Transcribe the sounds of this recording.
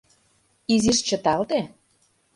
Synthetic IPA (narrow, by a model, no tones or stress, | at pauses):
iziʃt͡ɕə̆t̪ɑlt̪e